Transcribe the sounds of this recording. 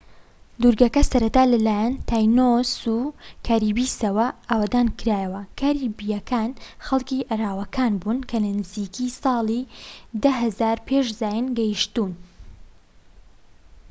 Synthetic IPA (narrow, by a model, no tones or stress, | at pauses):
d̪uɾɡɐkɐsɐɾɐt̪aːlɐlaːjant̪ʰaːjnosukʰaːɾiːbiːsɐwɐʔaːwad̪aːnkɨɾaːjɐwɐkʰaːɾiːbijɐkʰaːnxɐlˠkiːʔɐraːwɐkʰaːnbunkʰɐlɐnɨziːkisɑːlˠid̪ɐɦɐzaːɾpʰeʃzaːjɨnɡɐjʃt̪uːn